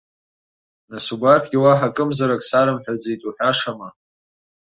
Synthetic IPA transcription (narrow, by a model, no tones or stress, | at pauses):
nasubartʰɡʲiwaħakʼɨmzaɾakʼsaɾɨmħᶣad͡zijtʼuħᶣʷaʂama